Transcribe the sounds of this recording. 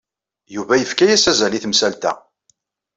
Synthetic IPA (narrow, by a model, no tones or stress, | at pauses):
juvæjəfkæjæsæzæliθmsælt̪æ̰